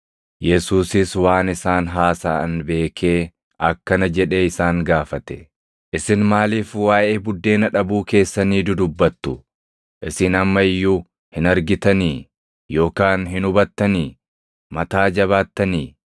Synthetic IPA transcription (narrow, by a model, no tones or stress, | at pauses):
jɛsuːsɪswaːnɪsaːnɦaːsaːɪnbe̞ːkʰe̞ː | ʔɐkːɐnɐd͡ʒɛᶑe̞ːɪsaːŋɡaːfɐt̪ɛ̥ | ʔɪsɪnmaːliːfwaːʔe̞ːbʊd̪ːe̞ːnɐᶑɐbuːke̞ːsːɐniːd̪ʊd̪ʊbːɐt̪ːʊ | ʔɪsɪnɐmːɐɪjːu | hɪnɐɾɡɪt̪ɐniː | jo̞ːkaːnɦɪnʊbɐt̪ːɐniː | mɐt̪aːd͡ʒɐβaːt̪ːɐniː